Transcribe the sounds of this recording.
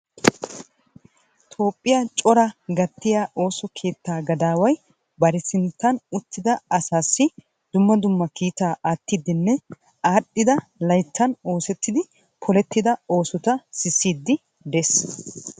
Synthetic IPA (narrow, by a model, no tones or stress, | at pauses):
t̪ʰo̞ːpʼːɪjat͡ʃʼɔɾɐɡɐt̪ːɪjaːʔo̞ːsɔkʰe̞ːt̪ːaːɡɐd̪aːwɐj | bɐɾɛsɪnt̪ːɐnʊt̪ːɪd̪ɐɐsaːsːɪ | d̪̥ʊmːɐd̪ʊmːɐkiːt̪aːʔaːt̪ːid̪ɪnːɛ | aːɗːɪd̪ɐlɐjt̪ːɐno̞ːsɛt̪ːɪd̪ɪ | pʰɔlɛt̪ːɪd̪ɐo̞ːsɔt̪ɐsɪsːiːd̪ːɪ | d̪ɛs